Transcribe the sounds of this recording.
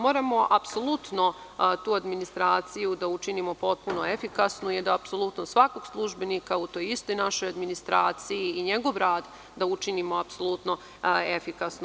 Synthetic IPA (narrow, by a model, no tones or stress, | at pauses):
mo̞ːɾamo̞ʔapsolˠut̪no̞ | t̪uːad̪minist̪ɾaːt̪sijud̪aut͡ʃinimo̞po̞t̪̚punoefikasnujɛd̪aapsolˠut̪nosʋako̞ɡ̥slˠuʒbe̞nikaut̪o̞ːjist̪o̞jnaʃo̞jad̪minist̪ɾaːt̪sijiiɲeɡo̞ʋɾaːd̪ | d̪aut͡ʃinimo̞apso̞lˠut̪no̞ | e̞fikasn